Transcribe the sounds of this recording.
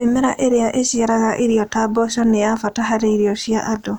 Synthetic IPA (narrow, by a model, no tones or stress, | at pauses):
emeɾa̰ʔeɾeaʔesiaɾaɣaʔiɾiɔtaːbɔʃɔneafataɦaɾeiɾiɔʃiaʔado